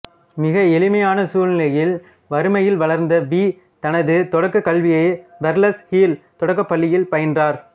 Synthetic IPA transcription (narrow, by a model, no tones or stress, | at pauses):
mɪɣɐɛlɪmɐjaːnɐsuːlnɪlɐjɪl | ʋɐɾɯmɐjɪlʋɐɭɐɾnd̪ɐbiː | t̪ɐnɐðɯt̪ɔɽɐkːɯkːɐlʋɪjɐɪbɛɾlɐshiːlt̪ɔɽɐk̬ːɐpːɐlːɪjɪlpɐjɐndraːɾ